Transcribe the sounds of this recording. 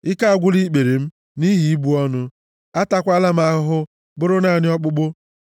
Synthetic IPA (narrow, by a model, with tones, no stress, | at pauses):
ɪ˦ka˦a˦˨ɡʷʊ˦li˦k͡pe˨ɾe˨m̩˦ | ni˦ɦi˨i˦bu˦ɔ˦nʊ˦ | a˦ta˦kʷa˦la˦m̩˦a˦ɦʊ˦ɦʊ˦ | bʊ˦ɾʊ˦na˦˨nɪ˦ɔ˦k͡pʊ˦k͡pʊ˦